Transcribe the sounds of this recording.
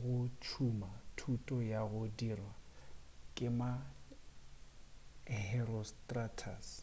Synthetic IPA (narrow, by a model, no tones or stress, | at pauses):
ɣʊt͡ʃʰumatʰutʼɔjaɣʊdirwa | kʼɪma | hɛɾɔstʼratʰa̰s